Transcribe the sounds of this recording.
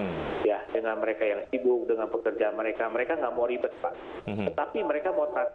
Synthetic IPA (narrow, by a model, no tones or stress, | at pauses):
jadəŋanməɾekajaŋsibʊk̚dəŋanpəkərd͡ʒaːnməɾekaməɾekaŋɡaʔmoɾibət̪̚paʔ | t̪ət̪apiməɾekamot̪a